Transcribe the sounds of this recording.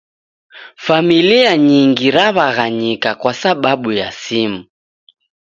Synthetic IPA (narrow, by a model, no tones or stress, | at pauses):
familiaɲiŋɡiɾaβaɣaɲikakwasaɓaɓujasimu